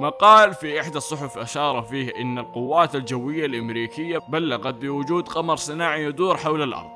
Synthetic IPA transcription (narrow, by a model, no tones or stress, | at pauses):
maqɑːlfiʔɪħd̪asˤːʊħʊfʔaʃɑːɾˤɑfiːhʔɪnːalqʊwːaːt̪ald͡ʒawːɪjːalʔamɾiːkɪjːabalːaɣat̪̚bɪwʊd͡ʒuːd̪qɑmɑɾˤsˤɨnaːʕijad̪uːɾħawlalʔɑ̰ɾˤd̪ˤ